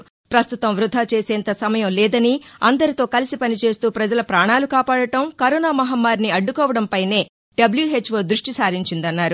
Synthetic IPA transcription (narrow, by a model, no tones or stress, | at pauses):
pɾɐst̪ut̪ɐmʋɾud̪ʱːaːt͡ʃeːsɛːnt̪ɐsɐmɐjɐmlɛːd̪ɐniɐnd̪ɐɾit̪o̞ːkɐlisipɐnit͡ʃe̞ːst̪uːpɾɐd͡ʒɐlɐpɾaːɳaːlukaːpaːɽɐʈɐmkɐɾɔːnaːmɐɦɐmːaːɾniɐɖːukɔːʋɐɽɐmpɐjne̞ː | ɖɐbljuɦe̞ːt͡ʃːʋoːd̪ɾuʂʈisaːɾiɲt͡ʃind̪ɐnːaːɾu